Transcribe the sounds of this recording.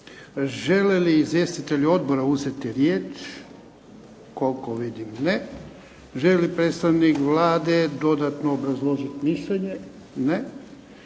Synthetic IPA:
ʒeleliːzʋje̞st̪it̪e̞ʎuo̞d̪boɾauze̞t̪iɾjeːt͡ʃ | ko̞lkoʋid̪imne | ʒelelipɾet̪st̪aʋnikʋlaːd̪e̞d̪o̞d̪at̪noːbɾazlˠo̞ʒit̪miʃʎeɲe | ne

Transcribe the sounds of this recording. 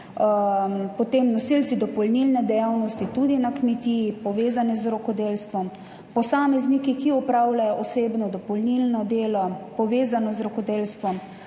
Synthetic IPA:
pɔt̪eːmnɔsilt̪t͡s̪id̪ɔpɔlnilnɛd̪ɛjaːwnɔst̪it̪ud̪inakmɛt̪iːjipɔʋeːzanɛzɾɔkɔd̪elst̪ʋɔm | pɔsaːmɛznikikiɔpɾawlajɔʔɔseːbnɔd̪ɔpɔlnilnɔd̪eːlɔpɔʋeːzanɔzɾɔkɔd̪eːlst̪ʋɔm

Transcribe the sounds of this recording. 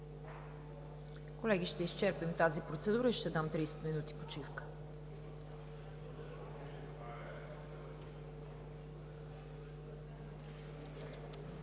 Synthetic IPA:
kolɛɡiʃt̪ɛist͡ʃɛɾpimt̪azipɾot̪sɛd̪uɾəiʃt̪ɛd̪amt̪ɾijsɛ̥t̪minut̪i̥pot͡ʃifkə̥

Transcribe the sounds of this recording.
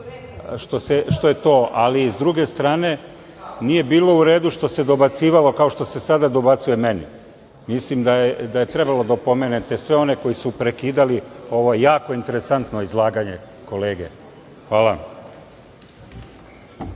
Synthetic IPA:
ʃt̪o̞seʃt̪o̞je̞t̪o̞ːʔalizd̪ɾuɡe̞st̪ɾaːne̞ | nije̞biːlo̞uɾe̞ːd̪uʃt̪o̞se̞d̪o̞bat̪siːʋalo̞kao̞ʃt̪o̞se̞sad̪ad̪o̞bat̪suje̞menḭ | mislimd̪ajed̪aje̞t̪ɾe̞balo̞d̪aopo̞menet̪e̞sʋe̞o̞ne̞ko̞jisupɾekiːd̪alio̞ʋojjaːko̞int̪e̞ɾe̞sant̪no̞izlˠaːɡaɲe̞ | ko̞le̞ːɡe̞̰ | xʋaːla

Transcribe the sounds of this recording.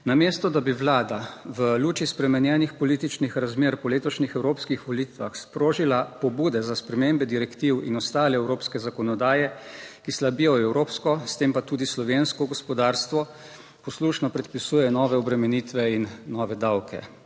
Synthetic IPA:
namest̪ɔd̪abiʋlaːd̪aʋəluːt͡ʃispɾɛmɛnjɛːnixpɔlit̪it͡ʃnixɾazmeːɾpɔleːt̪ɔʃnixɛwɾoːpskixʋɔliːt̪ʋaxspɾoːʒilapɔbuːd̪ɛzaspɾɛmembɛd̪iɾɛkt̪iwḭnɔst̪aːlɛɛwɾoːpskɛzakɔnɔd̪aːjɛkislabijɔɛwɾoːpskɔst̪empat̪uːd̪islɔʋenskɔɡɔspɔd̪aːɾst̪ʋɔ | pɔsluːʃnɔpɾɛt̪̚pisuːjɛnɔːʋɛɔbɾɛmɛniːt̪ʋɛinːɔːʋɛd̪awkʰɛ̰

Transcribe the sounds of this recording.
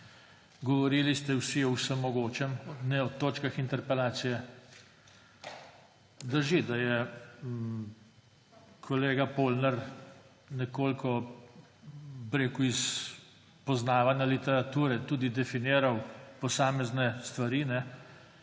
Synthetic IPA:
ɡɔʋɔɾiːlist̪ɛwsiɔwsəmːɔɡoːt͡ʃɛmnɛɔt̪oːt͡ʃkaxint̪ɛɾpɛlaːt̪sijɛ | d̪ɐʒed̪ajɛ | kʰɔleːɡapoːlnɛɾ | nɛkoːlkʰɔ | bɾeːkuis | pɔznaːʋanʲjalit̪ɛɾat̪uːɾɛt̪uːd̪id̪ɛfineːɾawpɔsaːmɛznɛst̪ʋaɾiːnɛ

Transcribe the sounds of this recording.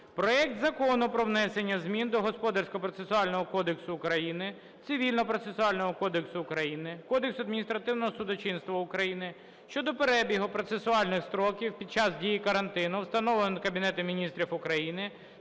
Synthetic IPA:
pɾɔɛk̚t̪zɐkɔnʊpɾɔwnɛsenʲːɐzmʲind̪ɔɦɔspɔd̪ɐrsʲkɔpɾɔt̪sesʊɑlʲnɔɦɔkɔd̪eksʊːkɾɐjinɪ | t̪sɪʋʲilʲnɔpɾɔt̪sesʊɑlʲnɔɦɔkɔd̪eksʊːkɾɐjinɪkɔd̪eksʊɐd̪mʲinʲist̪ɾɐt̪ɪwnɔɦɔsʊd̪ɔt͡ʃinst̪ʋɐʊkɾɐjinɪ | ʃt͡ʃɔd̪ɔpeɾɛbʲiɦʊpɾɔt̪sesʊɑlʲnɪxst̪ɾɔkʲiwpʲid̪̚t͡ʃɑzdʲijikɐɾɐnt̪ɪnʊwst̪ɐnɔʋlenɔnkɐbʲinɛt̪ʊmʲinʲist̪ɾʲifʊkɾɐjinɪ

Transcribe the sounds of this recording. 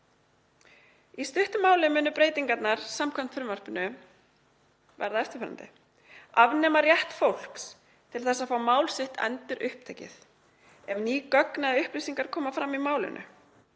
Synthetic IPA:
ist̪ʏht̪ʏmaːwlɪmʏːnʏpɾeːjt̪iŋkat̪naɾ̥samkʰɛnfɾʏmvœr̥pnʏ | vɛ̰ɾðaɛft̪ʏ̥fœɾa̰nt̪ɪ̰ | avnɛːmarjɛht̪fowl̥ks | t̪ʰɪlθɛsːaðfaːwmaːwlsɪht̪ɛ̰nt̪ɪɾʔʏhp̚t̪ʰeːcɪ̰θ | ɛmniːkœknaðʏhplisiŋkaɾ̥kʰɔːmafɾamːimaːwlɪ̰nʔʏ̰

